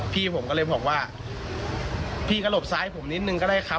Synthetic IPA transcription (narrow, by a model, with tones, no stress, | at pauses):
pʰiː˥˩pʰo˨˩˦mkɔː˥˧˩ɤː˧˨jbɔː˨˩k̚waː˧˥˩ | pʰiː˥˩ka˧lo˨˩p̚saː˦˥jpʰo˩˦mni˦t̪̚nɯ˧ŋkɔː˥˩daː˧˥˩jkʰa˧